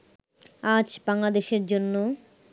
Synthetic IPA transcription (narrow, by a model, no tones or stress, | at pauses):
ad͡ʑbaŋlad̪eʃeɾd͡ʑonːo